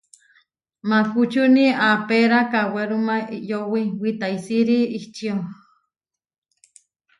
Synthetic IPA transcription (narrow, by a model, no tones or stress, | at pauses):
malhut͡ʃuniapeɾakaweɾumajowiwit̪aisiɾiiht͡ʃio